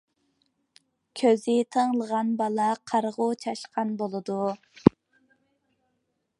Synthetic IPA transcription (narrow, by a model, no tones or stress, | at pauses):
kʲʰøzɪt̪ʰəŋlˠəʁɑnbɑlˠɑqʰɑɾʁʊt͡ʃʰɑʃqɑnbolˠɨd̪u